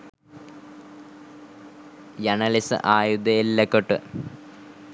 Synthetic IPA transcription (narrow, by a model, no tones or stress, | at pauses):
jɐnɐlisɨ̰ʔaːjud̪ɐelːɐkːoʈːɨ̰